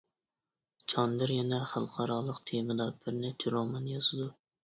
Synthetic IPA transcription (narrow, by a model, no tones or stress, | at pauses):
t͡ʃʰɑnd̪ɨɾjɛnɛχælˠqʰɑɾɑːlˠəqt̪ʰemɨd̪ɑb̥ɪɾnɛt͡ʃʰɛɾomɑnjɑz̥ɨd̪u